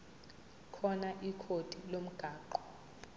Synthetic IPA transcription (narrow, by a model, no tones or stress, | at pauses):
kʰɔnaʔikʰod̥ʱilom̩ɡ̥ʱaːǃɔ